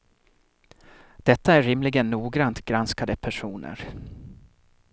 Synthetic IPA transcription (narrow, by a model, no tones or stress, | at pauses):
d̪̥ɛt̪ːaæɾɪmlɪɡənːuːɡɾant̪ɡɾanskad̪əpʰæʂuːnə̰ɾ